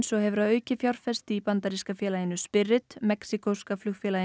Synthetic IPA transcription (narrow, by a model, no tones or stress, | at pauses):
nsɔɣhɛvʏɾaðœːɥcɪfjawr̥fɛst̪ɪipant̪aɾiskafjɛːlajɪnːʏspɪrːɪt̪mɛksikowskaflʏxfjɛːla